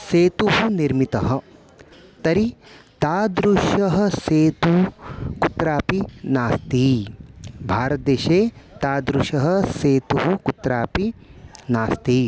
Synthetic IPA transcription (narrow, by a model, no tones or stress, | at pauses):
seːt̪uɦuniɾmit̪ɐɦɐ̆ | t̪ɐɾit̪aːd̪ɾuʃɐɦɐ̆seːt̪ukut̪ɾaːpinaːst̪iː | bʱaːɾɐt̪̚d̪eːʃeːt̪aːd̪ɾuʃɐɦɐ̆seːt̪uɦukut̪ɾaːpinaːst̪i